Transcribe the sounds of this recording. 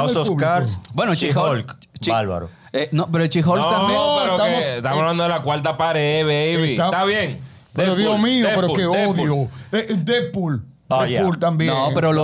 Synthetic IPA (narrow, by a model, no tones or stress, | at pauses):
asoskaɾbwenot͡ʃiolk | t͡ʃalβa̰ɾo | enopeɾot͡ʃixolt̪ammjeɾot̪aosst̪amsaβland̪oðelakwalt̪apaɾeβejβiat̪aβjeŋ | eeɾoðomioepeɾokeoðjoeʔd̪epul | doejult̪ambjenõpeɾolo